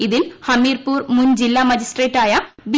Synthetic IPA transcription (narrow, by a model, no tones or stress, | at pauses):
iðilhɐmiːrpuːrmund͡ʑilːaːmɐd͡ʑisʈreːʈːaːjɐb